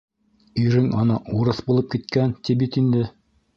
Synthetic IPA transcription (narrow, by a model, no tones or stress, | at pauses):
iɾɘŋɑnɑʔuɾɤθbulˠɤp̚kit̪̚kænt̪ibit̪ind̪ɘ